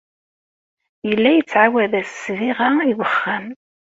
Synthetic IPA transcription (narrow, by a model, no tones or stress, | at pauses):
jəlːæjət͡sːʕawæðæsːviʁaiwəχːæm